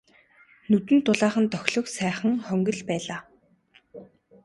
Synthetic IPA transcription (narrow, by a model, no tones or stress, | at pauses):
nɵt̪ɘ̆nt̪ʊɮaːχə̆nt̪œxʲɮɞ̆ksæːχə̆ŋχœŋɡɵ̆ɮpæːɮaː